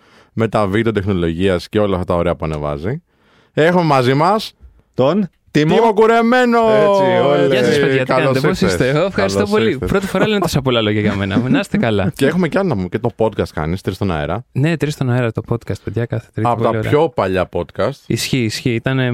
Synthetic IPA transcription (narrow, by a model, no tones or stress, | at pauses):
me̞t̪ɐvid̪eo̞t̪exno̞lo̞ʝiɐsceo̞lɐft̪ɐt̪ɐoɾeɐpuɐne̞̰vɐ̰zi | exume̞mɐzimɐs | t̪on | t̪imimokuɾe̞me̞nooɐsɐspeʝɐt̪ɐɐnɐt̪eposist̪eɣoefxɐɾisst̪opolipɾo̞t̪i̥fo̞ɾɐlenet̪osɐpolɐlo̞ʝɐʝɐme̞nɐminɐsest̪ekɐlɐceexumeceɐlonɐpumecet̪o̞po̞t̪̚kɐst̪̚kɐ̰nist̪ɾist̪onɐ̰eɾɐne̞t̪ɾist̪onɐeɾɐt̪o̞po̞t̪kɐst̪̚peðʝɐkɐθe̥t̪ɾiɐpot̪ɐ̰ço̞pɐʎɐpo̞t̪kɐst̪isçiːsçiit̪ɐne